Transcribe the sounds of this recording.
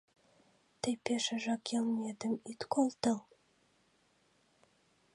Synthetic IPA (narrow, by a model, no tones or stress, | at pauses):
t̪ɘjpeʃə̆ʒɑkʰelˠnʲed̪əmit̪kʰolˠt̪ɤ̆lˠ